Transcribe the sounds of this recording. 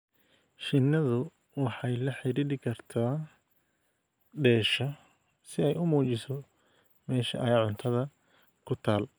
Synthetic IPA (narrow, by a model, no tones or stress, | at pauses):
ʃɪnːɐðʊ | wɑħɑjlɐħɪɾiɾɪkʰɐrt̪ʰaː | ɖɛːʃɐ | sɪɛjʊmuːt͡ʃɪsɔ | mɛːʃɐ̰ʔɐjaːʕʊnt̪ʰɐðɐ | kʰʊt̪ʰaːl